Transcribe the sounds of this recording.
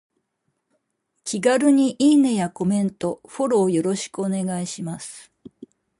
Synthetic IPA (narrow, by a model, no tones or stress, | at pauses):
kʲiɡaɾɯ̟ɲ̟iʔinejako̞mẽ̞nt̪o̞ɸo̞ɾo̞ːjo̞ɾo̞ɕi̥kɯone̞ɡaiɕimasɨ̥